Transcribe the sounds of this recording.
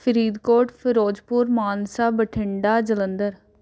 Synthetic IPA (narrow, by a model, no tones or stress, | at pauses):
fʰəɾiːd̪koːʈpʰɪɾoːd͡ʒpuːɾmaːnsaːbəʈʰɪɳɖaːd͡ʒələnd̪əɾ